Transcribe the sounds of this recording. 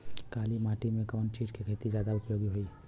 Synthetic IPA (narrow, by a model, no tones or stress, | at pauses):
kaːlimaːʈimẽkɔːnt͡ʃiːd͡ʒkikʰeːt̪izjaːd̪aʊpjoːɡiɦoiː